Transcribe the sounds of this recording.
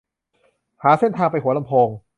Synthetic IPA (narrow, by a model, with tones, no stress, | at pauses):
haː˩˦se˥˩nt̪ʰaː˧ŋpa˧jɦu˩˦ɐla˧mpʰoː˧ŋ